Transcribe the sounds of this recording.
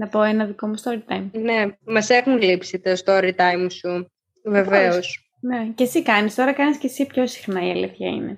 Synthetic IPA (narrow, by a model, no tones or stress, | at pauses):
nɐpo̞enɐðiko̞must̪oɾit̪ɐjmnemɐsexulipset̪est̪ooɾit̪ɐjmsu | veveos | nece̞sikɐnist̪o̞ɾɐkɐnisce̞sipço̞si̥xnɐiɐliθçɐ̰ḭne̞̰